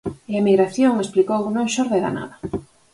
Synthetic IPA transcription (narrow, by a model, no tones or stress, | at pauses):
eamiɣɾaθjoŋesplikownõŋʃoɾðeɾa̰na̰ðɐ